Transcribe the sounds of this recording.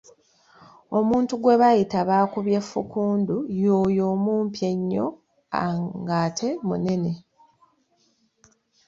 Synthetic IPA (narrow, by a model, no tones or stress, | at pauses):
o̞muːntuɡwe̞βajitaβaːkuβje̞fːṵkuːndujoːjo̞ːmuːmpje̞ɲːo̞̰ | a̰ŋɡaːtʰe̞mṵne̞ne̞